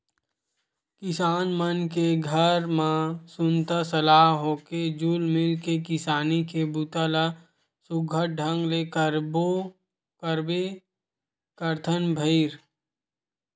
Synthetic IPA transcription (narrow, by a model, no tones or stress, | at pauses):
kɪsaːnmənkeɡʱəɾmãsʊnt̪asəlaːɦɦoːked͡ʒuːlmɪlkekɪsaːnikebut̪ala | sʊɡʱəʈ̚ɖʱə̃ŋɡleːkəɾbo | kəɾbe | kəɾt̪ʰənbʱəɪɾ